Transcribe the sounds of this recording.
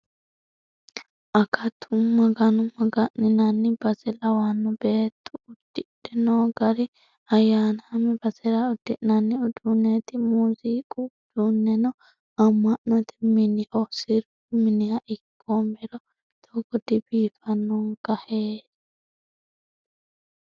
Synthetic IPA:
ʔɐkʰɐt̪ʰʊmːɐɡɐnʊmɐɡɐʔnɪnɐnːɪbɐzɛlɐwanːɔbeːt̪ʰːʊʊd̪̥ːɪᶑɪnɔɡɐɾɪ | ɐjaːnɐmɛbɐzɛɾɐʊd̪̥ːɪʔnɐnːɪʊd̪unːet̪ɪmuziːkʼʊ | d̪unːɛnɔ | ɐmːɐʔnɐt̪ɛ̥mɪnɪʔɔsɪɾʊ | mɪnɪjɐʔɪkːɔmɛɾɔ | t̪ʰɐɡɔd̪ɪbiːfɐnːɔŋɡ̥ɐheːd

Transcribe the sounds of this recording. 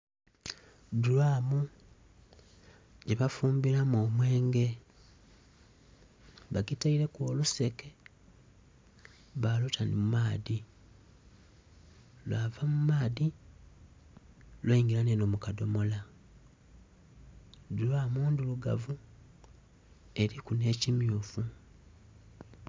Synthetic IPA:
dulwaːmu | ɟeβafuːmbiɾamoːmwe̞ːŋɡe̞ | βaɡitaiɾe̞kwoːluse̞ke | βalutʰanimumaːði | lwaːvamumaːði | lweiŋɡiɾanenomukado̞mo̞la | dulaːmuːnduluɡa̰vu | e̞ɾikune̞ːcimjuːfu

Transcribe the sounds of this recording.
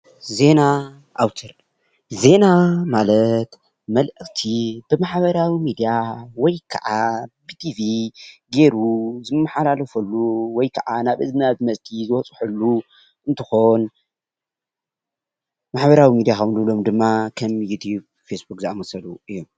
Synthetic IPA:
ze̞na | ʔawt̪ʰɨɾ | ze̞namalɐt̪ | mɐlʔɨkt̪ʰib̥ɨmaħβɐɾawimid̪ijawɔjkʰɐʔab̥it̪ʰiviɡe̞ɾuzɨmːaħalalɐfɐlːuwɔjkʰɐʕanaβʔɨzmɨazmɐst̪ʰizɨwɔt͡sʼħulːu | ʔɨnt̪ʰɨxo̞n | maħβɐɾawimid̪ijaxɐwnlɨβlo̞md̪ɨmːakʰɐmjut̪ʰub | fesbukzɨʔamɐsɐluʔɨjːom

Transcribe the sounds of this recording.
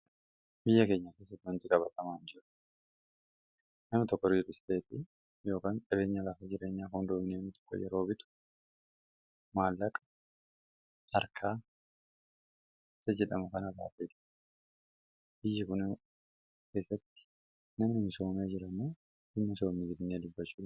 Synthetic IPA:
bɪjːɐke̞ːɲːake̞ːs̬ːɐt̪ːwɐnt̪ɪkʼɐbɐt̪ʰɐmaːnd͡ʒɪɾɐ̥ | nɐmɪt̪ɔkːɔɾɪʊt̪ɪst̪e̞ːt̪ɪ | jo̞ːkaːnsʼɐβe̞ːɲːalɐkɐd͡ʒɪɾe̞ːɲːaːkʊnd̪oːmɪneːnɪt̪ɔ̥kːɔ̰jɛ̰ɾo̞ːbɪt̪ʊ̥ | maːlːɐkʼɐ̥ | hɐɾkʰaː | sɐd͡ʒɛᶑɐmʊkɐnɐba̰ːfeːᶑ̪ | b̥ɪjːɐkʊn | ke̞ːsːɐt̪ːɪ̥ | nɐmnɪmɪso̞ːmeːd͡ʒɪɾɐmoː | ɪmnɪso̞ːmɪd͡ʒɪɾnːeːd̪ʊbːɐt͡ʃːuː

